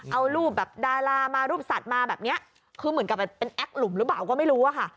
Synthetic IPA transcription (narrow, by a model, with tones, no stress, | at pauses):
ʔa˧wɾuː˥˩p̚bɛː˨˩p̚daː˧ɾaː˧maː˧ɾuː˥˩p̚sa˨˩t̪̚maː˧bɛː˨˩p̚ni˦˥ɐʔ | kʰɯː˧mɯ˩˦nka˨˩ppe˧nʔɛ˦˥k̚lu˩˦mɾɯ˦paː˨˩wkɔː˥˩ma˥˩jɾuː˦˥ʔa˨˩kʰa˥˩